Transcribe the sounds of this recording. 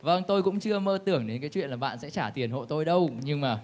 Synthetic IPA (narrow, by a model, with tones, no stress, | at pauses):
və˧ŋt̪o˧jkʊ̰˧˥ŋ͡mt͡ɕɨ˧əməː˧t̪ɨ˧˩əŋɗe˨˦nkaː˨˦jt͡ɕwḭ˧˨ənlaː˨˩ɓa̰ː˧˨nsɛ̰˧˥t͡ɕaː˧˩t̪i˨˩ənɦo̰˧˨t̪o˧jɗə˧wɲɨ˧ŋmaː˨˩